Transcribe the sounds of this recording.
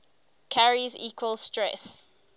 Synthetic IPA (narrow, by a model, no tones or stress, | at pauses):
kʰaɹiziːkʰwəlˠstɹɛs